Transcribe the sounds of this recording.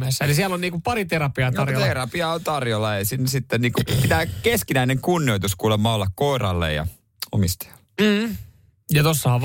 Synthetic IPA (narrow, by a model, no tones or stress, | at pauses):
esːælisiælːonniːkuppɑɾit̪eɾɑpiɑt̪ɑrjot̪erɑpiɑont̪ɑrjolːɑeisiːnːsit̪ːenniːŋkupit̪æːkeskinæineŋkunːioit̪uskuːlemːɑːolːɑkkoirɑlːḛjjɑ̰ | omist̪ɑ̥jɑlːe̥m̩ː | jɑt̪osːɑhɑʋ